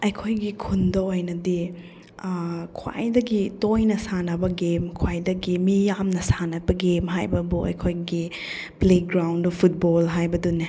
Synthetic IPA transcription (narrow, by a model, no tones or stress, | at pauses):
ɐjkʰojɡikʰundɐojnɐdi | kʰwa̰jdɐɡitojnɐsanɐbɐɡemkʰwajdɐɡimijamnɐsanɐbɐɡemɦajbɐbuɐ̰jkʰojɡi | pleɡɾawndupʰut̚bolɦajbɐduni